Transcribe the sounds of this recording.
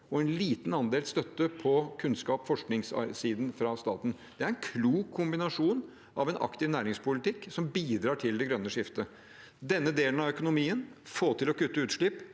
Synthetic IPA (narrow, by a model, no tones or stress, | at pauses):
ɔɛnliːt̪n̩ɑnd̪eːlst̪œt̪ːəpʰɔkʰʉnskɑːpfɔʂknɪŋsɑ̰siːd̪n̩fɾɑst̪ɑːt̪n̩d̪̥ɛæɾɛnkʰluːkʰːʊmbɪnɑʂuːn | ʔɑʋɛnʔɑ̰kt̪ɪʋnæːɾɪŋspʰʊlɪt̪ɪkːsɔmbiːd̪ɾɑːʈʰɪld̪ɛɡɾœnːəʂɪft̪ə | d̪ɛnːəd̪eːlənɑʋœkʊnʊmiːənfoːt̪ʰɪlɔkʉt̪ːəʉːt̪ʂɭɪpː